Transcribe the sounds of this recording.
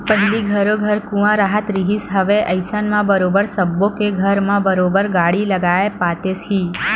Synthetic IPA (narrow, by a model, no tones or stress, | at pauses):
pəɦliɡʱəɾoɡʱəɾkũʋãɾaɦət̪ɾiɦisɦəʋeʔəjsənmãbəɾobəɾsəbːokeɡʱəɾmãbəɾobəɾɡaɽiləɡaepat̪esɦi